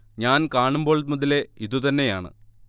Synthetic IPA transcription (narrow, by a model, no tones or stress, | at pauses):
ɲaːnkaːɳumbo̞ːɭmɐðile̞iðut̪ɐnːe̞jaːɳɨ̰